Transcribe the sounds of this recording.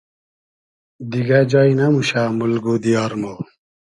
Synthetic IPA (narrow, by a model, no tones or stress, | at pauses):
d̪iɡad͡ʑɑinamuɕaːmulɡud̪ijaɾmo